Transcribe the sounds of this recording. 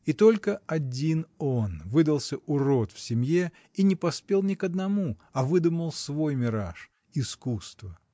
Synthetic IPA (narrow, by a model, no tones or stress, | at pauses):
it̪o̞lʲkəɐdʲino̞nvɨd̪əlˠsʲəʔʊɾo̞t̪fsʲɪmʲje | inʲɪpɐspʲelˠnʲɪkəd̪nɐmuɐvɨd̪uməlˠsvo̞jmʲɪɾaʂ | ɪskust̪və